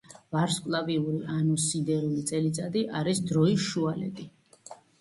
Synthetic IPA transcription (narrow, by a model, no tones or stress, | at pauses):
vaɾskʼlˠaviuɾiʔanusind̪ɛɾulit̪sʼɛlit̪sʼad̪iʔaɾisd̪ɾɔiʃualɛ̰t̪ʼi